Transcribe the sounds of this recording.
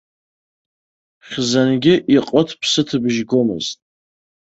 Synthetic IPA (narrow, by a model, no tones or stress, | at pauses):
χʲzanɡʲɪʔiqʼətʰpʰsɨtʰɨbʒɡo̞mɨ̰ztʼ